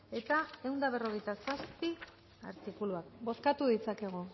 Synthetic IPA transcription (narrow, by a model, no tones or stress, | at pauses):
e̞t̪ae̞wnd̪aβ̞e̞ro̞ɣe̞jt̪asaspi | a̰ɾt̪ikuluak̚bo̞skat̪uðit͡sake̞ɣ̞o